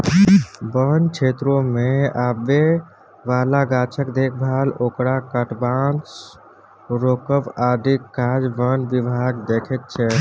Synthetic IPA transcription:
bənt͡ʃʰet̪ɾõmeabe | ʋalaɡat͡ʃʰəkd̪ek̚ʰbʱalokɾakəʈbant͡ʃ | ɾokəbad̪ikːad͡ʒbənʋibʱaɡd̪ekʰɛt̪̚t͡ʃʰɛ

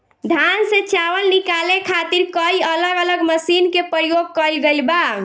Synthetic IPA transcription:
d̪ʱansẽt͡ʃawəlnikalekʰat̪iɾkəiələɡələɡməsinkepɾəjoɡ̚kəjlɡelba

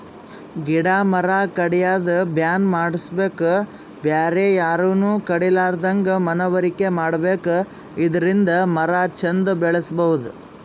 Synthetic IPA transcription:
ɡiɽaːmɐɾaːkɐɽɛjaːd̪ɐbjaːnmaːɽisbe̞ːku | bjaːɾejaːɾunuːkɐɽilaːɾd̪ɐŋɡɐmɐnɐʋɐɾike̞maːɽɐbe̞ːku | id̪ɐɾind̪ɐmɐɾaːt͡ʃʰɐnd̪ubɛɭɐsbɐʋud̪u

